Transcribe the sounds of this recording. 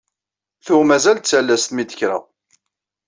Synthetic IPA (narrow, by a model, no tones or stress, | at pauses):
θʊmæzælt̪t͡sːælːæst̪mid̪əçɾa̰